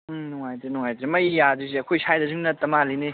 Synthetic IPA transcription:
nɔŋajtɾenɔŋajtɾemɐjjaziziɐkʰojsʰajdɐzɯŋnɐtɐmaline

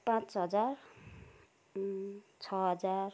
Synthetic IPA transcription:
pãt͡sɦʌd͡zar | t͡sʰʌɦʌd͡zar

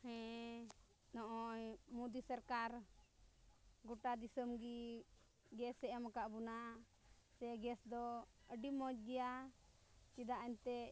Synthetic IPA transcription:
hɛ̃ | nɔʔɔjmud̪isəɾkaɾ | ɡɔʈad̪isəmɡi | ɡɛsɛɛmakaʔbuna | sɛɡɛsd̪ɔəɖimɔd͡ʒɡɛja | t͡ʃid̪aʔaɲt̪ɛ

